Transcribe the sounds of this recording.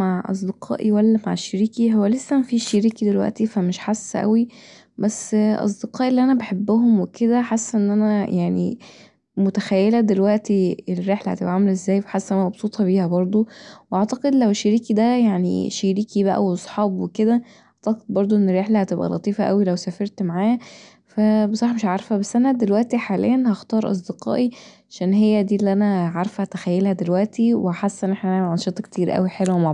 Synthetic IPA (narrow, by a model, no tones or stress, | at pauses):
maʕʔɑ̰s̬ˤd̪eqɑ̰ːʔiwælːæma̰ʕeʃːeɾiːkiɦowːælesːæmæfiːʃiɾiːkid̪elwæ̰ʔt̪ifæmeʃħasːʔæ̰wi | bæsːʔɑ̰s̬ˤd̪eqɑːʔilːiʔænæbeħebːʊɦomweked̪æħasːʔenːʔænæjaʕnḭ | mot̪æxæjːelæd̪elwæʔt̪ierːeħlæhæ̰t̪ebʔæʕamelʔezːæːjweħasːʔænæmɑbsˤuːt̪ʰˤɑbiːhæbɑɾˤd̪ˤoweʔɑʕt̪ɑqed̪læweʃːeɾiːkid̪æjaʕnḭʃeɾiːkibæʔæ̰wʔɑsˤħɑːbweked̪æ | ʔɑʕt̪ɑqed̪̚bɑɾˤd̪ˤoʔenːerːeħlæhæt̪ebʔæ̰lʔɑ̰t̪ˤiːfæʔæwilæwsæːfeɾˤt̪maʕaːæ | fæbesˤɑħmeʃʕɑɾˤfhæbæsːʔænæd̪elwæʔt̪iħaːlḛjːænhɑxt̪ɑːɾˤʔɑ̰s̬ˤd̪eqɑ̰ːʔiʕaʃæːnɦejːæd̪iːelːiʔænæʕɑɾˤfæt̪æxæjːelhæd̪elwæʔt̪iweħasːʔenʔeħnæʔææʕɑnʃet̪ˤɑkt̪ʰiːɾʔæ̰wiħelwæmaʕ